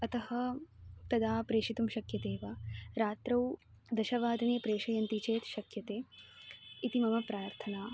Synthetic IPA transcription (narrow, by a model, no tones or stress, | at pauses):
ɐt̪ɐɦɐ̆t̪ɐd̪aːpɾeːʂit̪umʃɐkjɐt̪eːʋaɾaːt̪ɾɐw | d̪ɐʃɐʋaːd̪ʱɐneːpɾeːʃɐjɐnt̪it͡ʃeːt̪ʃɐkjɐt̪eː | it̪imɐmɐpɾaːɾt̪ʰɐnaː